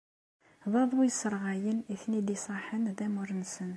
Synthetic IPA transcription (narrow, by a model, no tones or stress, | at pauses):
ðˤɑðˤujəsəɾˤʁæjəniθnid̪isˤɑħənðæmʊɾnsən